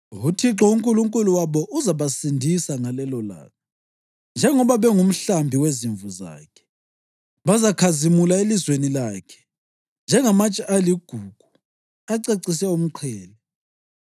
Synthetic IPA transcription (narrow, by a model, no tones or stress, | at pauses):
ɣutʰiǁɔuŋkʼuluŋkʼuluwaβɔʔuzaβasindʱisaŋalɛlɔla̰ːkʰɔ | nd͡ʒʱɛŋɔβaβɛŋum̩ɬambʱiweziɱvuza̰ːkʰɛ̥ | βazakʰazimulaelizwenilaːkʰɛ̥ | nd͡ʒʱɛŋamat͡ʃʼiʔaliɡ̥ʱuɡ̥ʱu | aǀeǀis̬ɛum̩ǃʰɛːlɛ